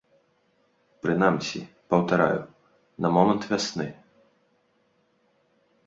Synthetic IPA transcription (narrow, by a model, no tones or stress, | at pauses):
pɾɨnamsʲi | pɐwt̪aɾa̰jṵ | nɐmɔmɐnt̪vʲasnɨ